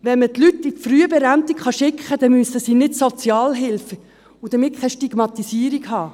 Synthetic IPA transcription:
ʋɛnmət̪lyt̪ːifryəbɛɾænt̪ikχɑʃɪkχəd̥̪ɛmyəsəsiːnɪtsot͡sjɑːlɦɪlf | ʊd̥̪əmɪt̚kʰɛʃtiɡ̥mɑt̪isiːɾikhɑː

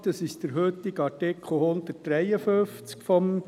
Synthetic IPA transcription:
d̥̪ɑsɪʃd̥̪əɾɦøt̪ːɪɡɑɾtɪkʰχl̩ˠhʊnd̪̥ət̚d̥ɾɛjəføft͡skfɔm

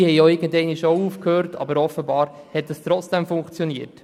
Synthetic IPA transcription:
hɛɪoɪɾɡəndɛɪniʃouːfkʰhøːɾtʰɑ̰bəɾɔfəbɑːɾhɛt̚d̥ɑst̪ɾɔt͡sd̥ɛmfʊŋkt͡sjɔniət

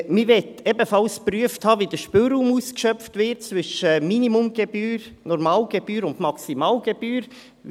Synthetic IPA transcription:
mɪɾʋɛtɛbəfɑlspɾyəfthɑːʋidəʃpøɾuːmuːskʃœpftʋɪt̚t͡sʋʏʃəminimumɡ̥ɛbyːɾ | nɔɾmɑːlɡɛbyːɾʊndmɑksimɑːlɡ̥ɛbyːɾ

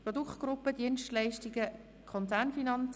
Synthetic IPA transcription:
prɔd̪ukt̚ɡ̥rʊpːəd̥iənʃtlæɪʃtiɡə | kʰχɔnt͡sænfinɑnt͡s

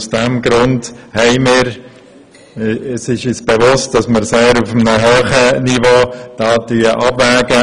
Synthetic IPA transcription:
usd̥ɛmɡɾʊndhɛɪmɪːɾ | əsɪʃysb̥evʊst̚d̥ɑsməɾseːɾufmnəɦøːχənivoːd̥ɑːdyːəʔɑbvæːɡə

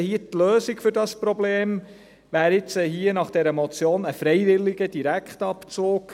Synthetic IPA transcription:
hiːətløːsiɡ̥fʏɾdɑspɾobleːm | ʋæːɾɪt͡sɛɦiːənɑχd̥ɛɾəmɔt͡sjoːnəfɾɛjʋɪlːiɡəd̥iɾækχtɑpt͡soːk

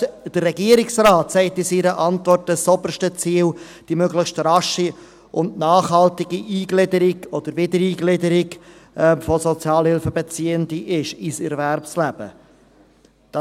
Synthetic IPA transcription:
d̥əɾːɛɡiːəɾɪksraːtsɛɪtɪsiːɾəʔɑntvɔrt̚ːəsɔbəɾʃtət͡siːl | d̥imøɡləχʃtrɑʃi | ʔʊnnɑːχhɑltɪɡiʔiːɡlɪdəɾɪɡɔd̥̪əɾvɪd̪əɾiːɡlɪdəɾɪɡʔɛmfɔsɔt͡sjɑːlhɪlfəbet͡siːəndiʔɪʃisɛɾvæɾpslæb̥ə̰ | d̪̥ɑ

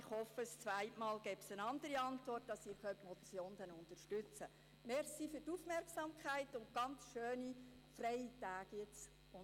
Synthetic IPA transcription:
ɪχhɔfəst͡sʋæɪtmɑːlɡɛpsənɑnd̪əɾiɑntʋɔrt̚dɑsiːɾχœtmɔt͡sjoːnd̥̪ənʊnt̪əɾʃtʉt͡sə | mɛɾsifyrtuːfmɛrksɑmkχæɪtʊnt̚ɡ̥ɑnt͡sʃøːni | frɛjitæːɡ̥jɛt͡s | ʊ

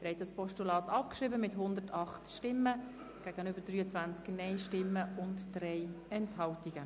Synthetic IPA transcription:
d̪əɾɛtɑspɔʃtulɑːt̪ɑp̚kʃɾiːbəmɪthʊnd̪ətɑχtʃtɪmːə | ɡ̥æːɡənʏbəɾd̥ryːət͡sʋænt͡sknɛɪʃtɪmːəʊntd̥rɛɪ | ɛnthɑltiɡ̥ə

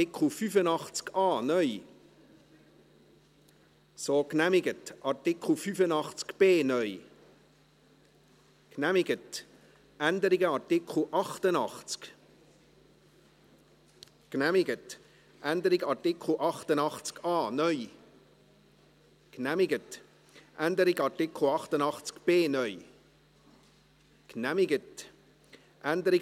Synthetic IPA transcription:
ɪkl̩ˠfyfənɑχt͡skʰɑːnœʏ | soːknæmɪɡətʔɑrtɪkχl̩ˠfyfənɑχt͡skb̥eːnœʏj | knæmɪɡət | ænd̪əɾɪɡəɑɾtɪkχl̩ʔɑχt̪ənɑχt͡sk | knæmɪɡət | ʔænd̪əɾɪɡɑɾtɪkl̩ʔɑχt̪ənɑχt͡skɑːnœʏ | knæmɪɡət | ʔænd̪əɾɪɡɑtɪkl̩ˠɑχtənɑχt͡skb̥eːnœʏ | knæmɪɡət | ʔænd̪əɾɪ

